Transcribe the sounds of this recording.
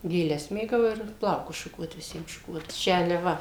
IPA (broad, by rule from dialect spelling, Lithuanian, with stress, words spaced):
ɡʲeːˈlʲɛs ˈmʲeːɡɐʊ ɪr ˈplˠɐʊkʊs ʃʊˈkuɔt ʋʲɪˈsʲiɛm ʃʊˈkuɔt ˈt͡ʃʲɛ ɐlʲɪ ˈʋɐ